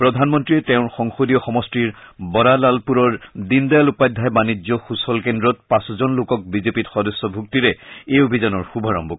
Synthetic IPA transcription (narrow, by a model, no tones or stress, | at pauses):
pɹɔdʱanmɔntɹiɛtɛʊ̃ɹxɔŋxodiɔxɔmɔstiɹbɔɾalalpuɹɔɹdindajalupajd̪ʱːajbanid͡ʒɔxusɔlkendɹɔt̚pãszɔnlokɔk̚bizepitxɔdɔsːɔbʱuk̚tiɹɛejobʱizanɔɹxubʱaɹɔ̰mbɔ